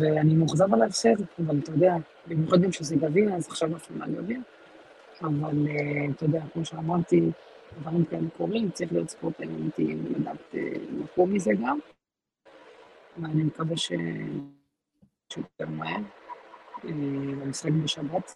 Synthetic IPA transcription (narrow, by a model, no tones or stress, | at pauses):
veanimuχzavalaefseʁavalt̪ojod̪ea | bimjoχad̪emʃezeɡavinazaχʃavafʃama̰ɡa̰vin | avalet̪ojod̪eakmo̞ʃeamaʁt̪i | dvaʁimkaelekʰoʁimt͡saʁiχlijo̞t̪t͡spot̪ajamit̪iḭmla̰d̪a̰ːt̪ḛnakumizeɡam | veanimekaveʃḛ | ʃut̪joteʁmaheʁ | elamisχakbeʃabat̪